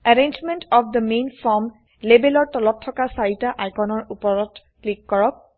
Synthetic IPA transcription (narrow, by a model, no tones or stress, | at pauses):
aɹend͡ʒmentɔpʰd̪əmenfʰɔɹm | lebelɔɹtɔlɔtʰːɔkasaɹitaʔajkʰɔnɔɹupɔɹɔt | klikːɔɹɔk̚